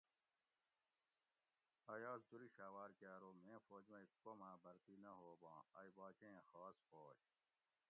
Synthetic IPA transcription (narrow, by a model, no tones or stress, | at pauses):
ɐjaːzd̪uɾiɕaːwaːɾkaːɾoːmẽːfoːd͡ʑmɐ̃ikːomãːbɐɾt̪iːnɐɦoːbãːɐjbaːt͡ɕẽẽxaːsfoːd͡ʑ